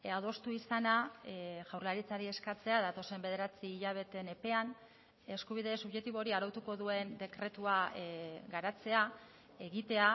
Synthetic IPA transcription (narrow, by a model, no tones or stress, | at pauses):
aðo̞st̪uisanaʝawɾlaɾit͡saɾie̞skat͡se̞aðat̪o̞se̞mbe̞ð̞e̞ɾat͡siːʎaβ̞e̞t̪e̞ne̞pe̞an | e̞skuβ̞iðe̞suβʝet̪iβo̞ɾiaɾot̪uko̞ðue̞nd̪e̞kɾe̞t̪ua | ɡaɾat͡se̞a | e̞ɣit̪e̞a